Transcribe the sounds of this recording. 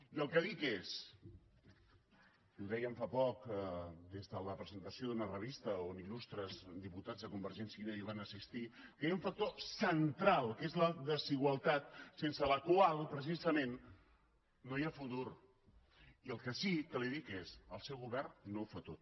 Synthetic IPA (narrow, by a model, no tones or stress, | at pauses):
iəlˠkəðikes | uðɛjəɱfapɔkd̪ezðələpɾəzənt̪əsioðunərəβ̞ist̪əonilust̪ɾəzd̪iput̪ad͡zðəkumbəɾʒɛnsiineiβ̞anəsist̪ikəauɱfək̚t̪osənt̪ɾalˠkezləðəziɣ̞wəlˠt̪at̪̚sensələkwalˠpɾəs̬izəmenː | ojafut̪uɾ | iəlˠkəsit̪əliðikesəlˠsɛwɣuβɛrnːowfat̪ot̪̚